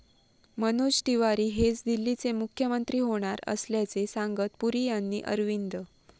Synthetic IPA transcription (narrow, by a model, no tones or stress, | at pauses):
mənuɕʈ̪iʋaɾiːɦet͡sd̪ilːit͡semukʰjəmənt̪ɾiːɦoɽ̃aɾə̰sljat͡sesãŋɡət̪puɾijanːiːʔə̰ɾʋind̪ə